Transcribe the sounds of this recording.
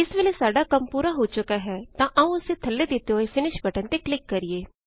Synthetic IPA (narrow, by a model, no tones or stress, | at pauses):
ɪsʋeːleːsaːɖaːkəmpuːɾaːɦoːt͡ʃʊkaːɦɛːt̪ãːʔəũːʊseːt̪ʰəlːeːd̪ɪt̪ːeɦoːefɪnɪʃbəʈənt̪eːklɪkːəɾɪeː